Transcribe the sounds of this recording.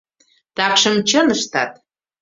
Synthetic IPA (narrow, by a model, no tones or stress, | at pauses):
t̪ɑkʃə̆mt͡ɕənəʃt̪ɑt̪̚